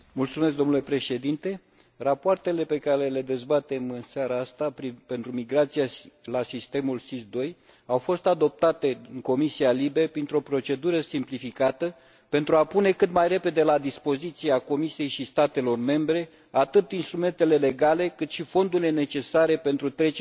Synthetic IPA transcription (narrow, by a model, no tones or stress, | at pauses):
mult̪sumesk̚d̪o̞mnule̞pɾe̞ʃe̞d̪int̪e̞ | rapoart̪e̞le̞pe̞kaɾee̞le̞d̪e̞zbat̪e̞mɨnseaɾaast̪apɾipe̞nt̪ɾumiɡɾat̪sialasist̪e̞mulsisd̪o̞j | awfo̞st̪ad̪o̞p̚t̪at̪e̞ɨŋko̞misialibe̞pɾint̪ɾo̞pɾo̞t͡ʃe̞d̪uɾəsimplifikat̪ə | pe̞nt̪ɾuapune̞kɨt̪majre̞pe̞d̪e̞lad̪ispo̞zit̪sieako̞misije̞jʃist̪at̪e̞lo̞rme̞mbɾe̞ | at̪ɨt̪inst̪ɾume̞nt̪e̞le̞le̞ɡale̞kɨt̪ʃifo̞nd̪uɾile̞ne̞t͡ʃe̞saɾe̞pe̞nt̪ɾut̪ɾe̞t͡ʃ